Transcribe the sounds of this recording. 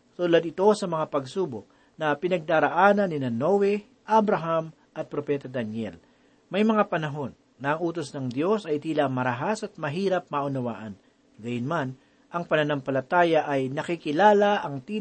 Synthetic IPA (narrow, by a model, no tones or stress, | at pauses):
t̪ulɐd̪ɪt̪o̞sɐmɐŋapɐɡsuːbok̚ | nɐpɪnɐɡ̚d̪aːɾɐʔaːnɐnːɪnɐnowɛ | ʔabɾɐɦam | ʔɐt̪̚pɾopɛːt̪ɐd̪ɐnjɛ̰l | mɐjmɐŋapɐnɐɦo̞nːɐɐŋʔuːt̪osnɐŋd̪jo̞sɐjt̪iːlaʔŋmɐɾɐɦasɐt̪̚mɐɦiːɾɐp̚mɐʔʊnɐwa̰ːʔɐn | ɡɐjʊnman | ʔɐŋpɐnɐnampɐlɐt̪aːjɐʔɐjnɐkikɪlaːlɐʔɐŋt̪iː